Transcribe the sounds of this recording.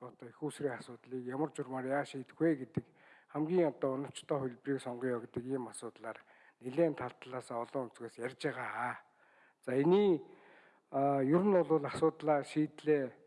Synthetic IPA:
ʊt̪ɔːixuːsriːŋasʊːt̪ɮiːkjamə̆rt͡ɕʊrmaːrjaːʃiːt̪xweːɡet̪ɘ̆k | χæmɡʲiːŋɔt̪ɔːʊnɞ̆w̥t͡ɕt̪ʰɔːxʊɮʲpriːksɔɴɢiːŋjɔɡt̪ə̆kiːmasʊːt̪ɮaːr | neɮeːnt̪ʰaɮt̪ɮaːsaːɔɮɞ̆ŋunt͡sɣeːsjæɾʲt͡ɕaʁaː | t͡saeniː | jʊɾɘ̆nʊɮʊːɮasʊːt̪ɮaːʃiːt̪ɮeː

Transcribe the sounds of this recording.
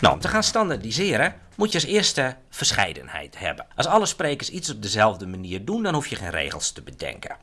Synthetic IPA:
no̰ɔ̰mtəχaːnstɑndadizɪəɾə | mutjəsɪərstə | v̥ərsχɛ̰jdə̰nhɛ̰jthɛ̰bənʔɑsɑlˠəspreːkərsisɔb̚dəzɛlˠvdəmaniːrdundɔnhufjəχeːnrḛːɣəlˠstəbədɛ̰ŋkə̰

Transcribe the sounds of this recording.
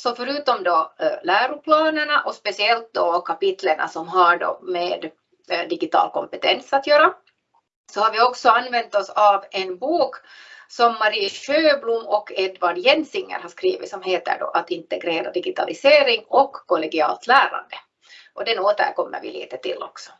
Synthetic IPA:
sɔfœɾʉːt̪ɔmd̪ɔlæːɾʊpʰlɑːnəɳɑʔɔspɛsɪɛlt̪̚d̪ɔkʰapɪt̪ləɳʔa̰sɔmɦaɖo̰meːd̪ | d̪ɪɡɪt̪ɑ̰ːlkɔmpɛt̪ɛnsat̪jøːɾa | sɔhaɾvɪɔksɔanvɛnt̪ɔsɑvɛnbuːk | sɔmːɑɾiːɕøːblumːɔkʰːɛd̪vaɖjɛnsɪŋːə̰ɾhaʂkɾiːʋɪ̰t̪sɔmɦeːt̪ə̰ɖo̰ʔat̪ɪnt̪ɛɡɾeːɾa̰d̪ɪɡɪt̪ɑ̰lʔɪseːɾɪŋɔkːɔlɛɡɪɑ̰ːlt̪læːɾa̰nd̪ə | ʔɔd̪ɛnuːt̪æ̰kɔmːə̰ɾvɪ̰lḭːt̪ət̪ɪ̰lːɔksɔ̥

